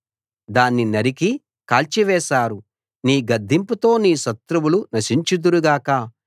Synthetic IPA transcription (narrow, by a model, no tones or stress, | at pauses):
d̪aːnːinɐɾiki | kaːlt͡ʃiʋɛːʃaːɾu | niːɡɐd̪ʱːimput̪o̞ːniːʃɐt̪ɾɐwulunɐʃiɲt͡ʃid̪uɾuɡaːka